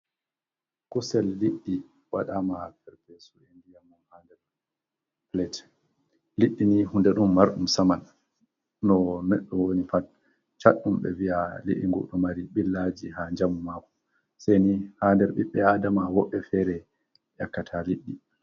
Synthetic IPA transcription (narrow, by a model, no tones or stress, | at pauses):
kusɛlːiɗːi | waɗamapɛɾpɛsuendijamɔmhandɛɾ | plɛt | liɗːinihundɛɗumːaɾɗumsaman | nɔmɛɗːɔwonifat̚ | t͡ʃaɗːumɓɛ̰vialḭɗḭŋɡṵɗɔmaɾiɓilːad͡ʒiɦaɲd͡ʒamumakɔ̥ | sajnihandɛɾɓiɓːɛadamawɔɓːɛfɛɾɛ | jakːatʰaliɗːi